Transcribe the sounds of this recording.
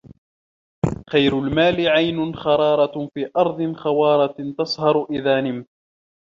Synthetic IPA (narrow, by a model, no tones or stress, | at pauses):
xajɾʊlmaːlɪʕajnʊnxɑɾˤɑːɾˤɑfiːʔɑɾˤd̪ˤɨnxɑwɑːɾˤɑt̪ɑsˤhɑɾˤʊʔɪðaːnɪm